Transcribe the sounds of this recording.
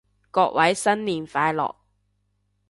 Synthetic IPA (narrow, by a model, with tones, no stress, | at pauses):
kɔː˧k̚wʔɐ˨˥jsɐ˥nliː˨nfaː˧jlɔ̰ː˨k̚